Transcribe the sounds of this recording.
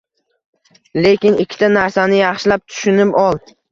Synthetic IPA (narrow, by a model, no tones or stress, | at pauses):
le̞kʲɪnɪkʲʰːɪ̥t̪ʰanaɾsanɪjɑχʃɪlap̚t̪ʰʊ̥ʃʊnɪpɒlˠ